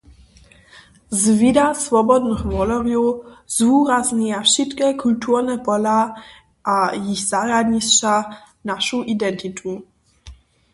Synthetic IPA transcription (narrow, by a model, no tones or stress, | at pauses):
zvidasvɔbɔd̪nəxvɔlɔʁjuzvuːɾazɲijafʃit̪kɛkʰult̪urnɛpɔla | ʔajiɣz̥aɾad̪ɲist͡ʃa | naʃuʔid̪ɛnt̪it̪ʰu